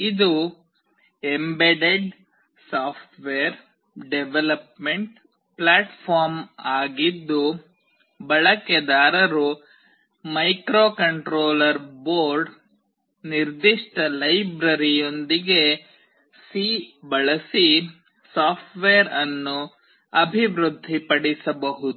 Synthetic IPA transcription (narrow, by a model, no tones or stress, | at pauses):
id̪u | embeɖeɖ | saːpʰʈʋeɾ | ɖeʋelɐpmeɳʈ | plaːʈpʰaːɾmaːɡid̪ːu | bɐɭɐked̪aːɾɐɾu | mɐjkɾoːkɐɳʈɾoːlɐɾboːɾɖ | niɾd̪iʂʈɐlɐjbɾɐɾijo̞nd̪iɡe | sibɐɭɐsi | saːpʈʋeɾɐnːu | ɐbʱiʋɾud̪ʱːipɐɽisɐbɐɦud̪u